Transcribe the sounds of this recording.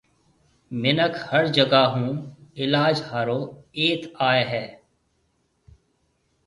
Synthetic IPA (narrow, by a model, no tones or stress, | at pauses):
mɪnəkʰhəɾd͡ʒəɡaːɦũːɪlaːd͡ʒhaːɾoːeːt̪ʰaːeɦɛː